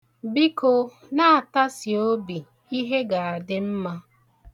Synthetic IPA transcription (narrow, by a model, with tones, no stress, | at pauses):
bi˦ko˦ | na˦a˨ta˦si˨o˦bi˨ | i˦ɦe˦ɡa˨a˨dɪ˦m̩˦ma˦